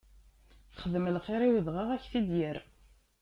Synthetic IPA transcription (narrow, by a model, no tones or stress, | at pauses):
θχəðməlqeɾiwəðʁaʁæçθid̪jəɾ